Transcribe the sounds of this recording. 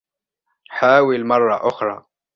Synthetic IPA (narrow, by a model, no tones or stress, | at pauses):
ħaːwɪlmɑrˤːɑʔʊxɾˤɑ̰ː